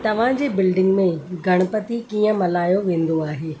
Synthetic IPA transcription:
t̪ɐʋ̤ãd͡ʑeːbɪlɖɪ̃ŋɡmẽɡʱɐɽ̃pɐt̪ikiːə̃mɐlaːjoʋẽːn̆d̪oaːɦeː

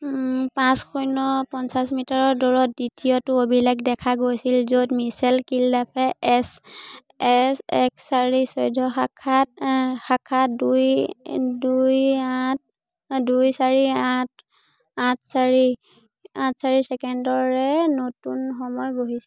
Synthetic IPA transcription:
pãskʰujnɔpɔnsasmitaɹɔɹdɔɹɔt̚ditiɔtʊobilakdɛkʰaɡojsilzodmisɛlkildapʰɛɛs | ɛsɛksaɹisɔjdʱɔxakʰat̚xakʰatduj | dujat̚ | dujsaɹiãt | ãt̚ʰsaɹi | ãtsaɹisɛkɛndɔɹɛnotunxɔmɔjɡoɦisɛ

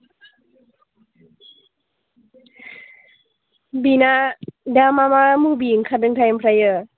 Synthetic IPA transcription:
binadamamamubiŋkʰadɯŋt̪ʰajəmpʰɾajə

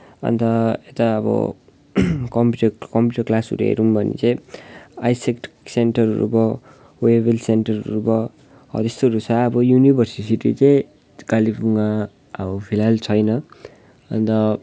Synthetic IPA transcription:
ʌ̰nt̪ʌet̪aʌbʌ̰ | kʌmpjuʈʌkʌmpjuʈʌrklasṵɾḛɦḛɾumbʱʌnḭt͡sʌj̃ajsekʈsenʈʌrɾṵbʌ | webelsenʈʌrɾubʌ | ʌ̰t̪est̪oɾusʰaʌbʌjunibʱʌrsisiʈit͡sʌj̃ | kalipʰuŋa | ʌbʌpʰilalt͡sʰʌjnʌ | ʌnt̪ʌ

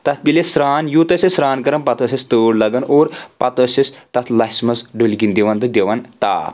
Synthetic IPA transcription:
t̪ɐt̪ʰbilesɾaːnjuːt̪ɐsʲɐsɾaːnkɐɾɐmpɐt̪ɐsʲɐst̪oːɽlɐɡɐnoːɾpɐt̪ɐsɐst̪ɐt̪ʰlɐsmɐsɖulɡind̪eʋɐnt̪ɨd̪eʋɐnt̪a̰ː

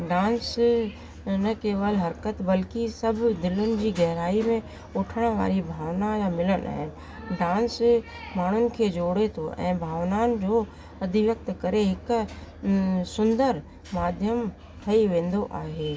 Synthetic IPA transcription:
ɖãːns | nɐkeːʋəlɦɐɾkət̪bɐlkisɐbʱd̪ɪlʊnɪ̆d͡ʑiːɡɛɦɾaːimẽ | ʊːʈʰəɽ̃ʋa̰ːɾibʱaːʋnajamɪlənʔa̰ːɦɪn | ɖãːns | maːɳ̤ʊnɪ̆kʰeːd͡ʑoːɽet̪ʰoʔɛ̰̃ːbʱaːʋnaːnɪ̆d͡ʑoː | ɐd̪ʱɪʋjɐk̚t̪kɐɾeɦɪk | sʊ̃nd̪əɾ | maːd̪ʱjəm | t̪ʰɐiʋẽːn̆d̪oʔaːɦeː

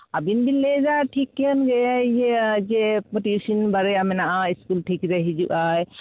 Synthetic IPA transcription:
abinbilezaʈʰikːɛənɡɛjajed͡ʒepɔʈisinbaɾɛjamɛnaʔaiskulʈʰikɾəɦid͡ʒṵʔaj

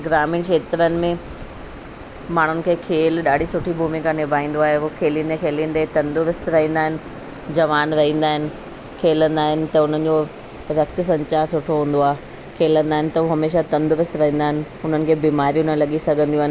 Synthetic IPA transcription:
ɡɾaːmiːnʃeːt̪ɾənɪ̆mẽ | maːɳ̤ʊnɪ̆kʰeːkʰeːlɗaːɽ̤ʱisʊʈʰibʱuːmikãnɪbʱaːĩːn̆d̪oaːɦeoːkʰeːlĩnd̪ẽkʰeːlĩːnd̪et̪ɐ̃nd̪ʊɾɪst̪ɾɐɦĩːnd̪aːɦɪnɪ̆ | d͡ʑɐʋaːnɾɐɦĩːnd̪aːɦɪnɪ̆ | kʰeːlə̃nd̪aːɦɪnɪ̆t̪ɐʊn̤ən̆d͡ʑo | ɾɐk̚t̪ɪ̆s̬ɐ̃ɲt͡ɕaːɾsʊʈʰoɦũːn̆d̪oaːɦe | kʰeːlə̃nd̪aːɦɪnɪ̆t̪ɐoːɦɐmeːʃat̪ɐ̃nd̪ʊɾɪst̪ɾɐɦĩːnd̪aːɦɪnɪ̆ | ʊn̤ənɪ̆kʰeːbiːmaːɾijũnɐlɐɠisɐɡʱə̃nd̪ijũaːɦɪnɪ̆

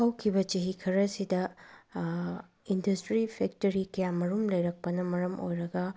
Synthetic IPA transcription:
awkʰibɐt͡ʃiɦikʰɐɾɐsidɐ | indɐstɾipʰek̚tɐɾikɐjamɐɾumlɐjɾɐk̚pɐnɐmɐɾɐmo̰jɾɐɡɐ

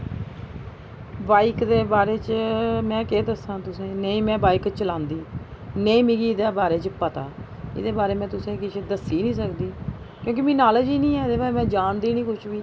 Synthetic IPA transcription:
baːikd̪eːbaːɾeːt͡ʃəmɛ̃ːkeːd̪əsãːt̪ʊsẽːneĩːmɛ̃ːbaːikt͡ʃəlãːnd̪iːneĩːmĩːɡiːd̪aːbaːɾeːt͡ʃpət̪a̰ː | ɪ̰d̪eːbaːɾeːmɛ̃ːt̪ʊsẽːkɪt͡ʃʰːd̪əsːiːnĩːs̬əkd̪iː | kjõːk̬ɪmiːnaːld͡ʒiːnĩːɛːd̪eːbaːmɛ̃ːd͡ʒaːnd̪iːnĩːkʊt͡ʃʰʋiː

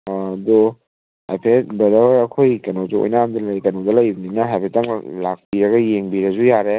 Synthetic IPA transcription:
dɔ | a̰jpʰetbɐdawɐkʰojkɐnozuo̰jnaamd̪ɐlɐjkɐnodɐlɐjbninɐɦajpʰetɐŋlak̚piɾɐɡɐjeŋbiɾɐzujaɾe

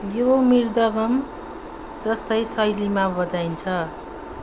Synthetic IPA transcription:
jomird̪ʌɡʌm | d͡zʌst̪ʌjsʌjlimabʌd͡zajnt͡sʰʌ

